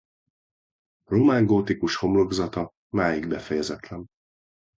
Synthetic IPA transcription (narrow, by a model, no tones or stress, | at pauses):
romaŋɡoːt̪ikuʃho̞mlo̞ɡzɒt̪ɒ | maːjiɡbɛfɛjɛzɛt̪lɛn